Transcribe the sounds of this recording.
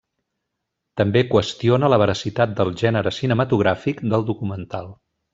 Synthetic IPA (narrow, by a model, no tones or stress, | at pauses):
t̪əmbekwəst̪ionələβ̞əɾəsit̪at̪̚d̪əlˠʒɛnəɾəsinəmət̪uɣ̞ɾafikd̪əlˠd̪ukumənt̪alˠ